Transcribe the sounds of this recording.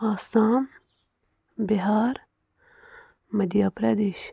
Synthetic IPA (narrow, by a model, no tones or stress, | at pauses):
aːsaːm | biɦaːɾ | mɐd̪jaːpɾɐd̪eːʃ